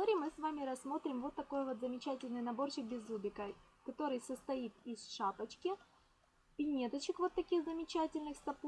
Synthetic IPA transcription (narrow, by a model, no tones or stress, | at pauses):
t̪oɾʲɪmɨsvamʲɪɾɐsːmo̞t̪ɾʲɪmvo̞t̪ːɐko̞jvo̞t̪zəmʲɪt͡ɕætʲɪlʲnɨjnɐbo̞rɕɪk̚bʲɪzlubʲɪkə | kɐt̪o̞ɾɨjsəst̪ɐit̪ɪsʂapət͡ɕkʲɪ | pʲɪnʲet̪ət͡ɕɪkvo̞t̪ːɐkʲixzəmʲɪt͡ɕætʲɪlʲnɨxsɐp